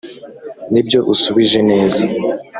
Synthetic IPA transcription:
nibjo̞ʔusuβiʒe̞ne̞ːze

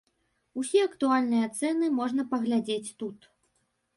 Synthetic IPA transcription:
usʲɛɐkt̪ualʲnɨjɐt̪sɛnɨmɔʐn̪ɐpɐɣlʲad͡zʲet͡sʲt̪ut̪

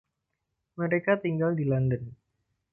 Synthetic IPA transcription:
məɾekat̪iŋɡaldilandən

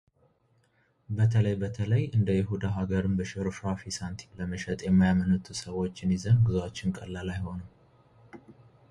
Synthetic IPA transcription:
bət̪ʰələjbət̪ʰələjɨnd̪əjɪɦud̪aɦaɡəɾɨmbəʃɪɾuʃafisant̪ʰi̥kləməʃɛt̪ʼjɛmːajamənɨt̪ʰusəwo̞t͡ʃːɪnizənɡɨzwat͡ʃːɪnkʼəlːalajho̞nəw

